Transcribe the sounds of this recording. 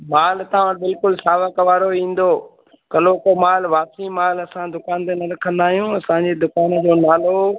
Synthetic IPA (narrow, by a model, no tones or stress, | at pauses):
maːlt̪ɐãbɪlkʊlsaːʋəkʋaːɾoĩːn̆d̪oː | kɐloːkomaːlʋaːsĩmaːlɐsãd̪ʊkaːnt̪enɐɾɐkʰə̃nd̪aːɦijũɐsãɲd͡ʑeːd̪ʊkaːnd͡ʑoːnaːlo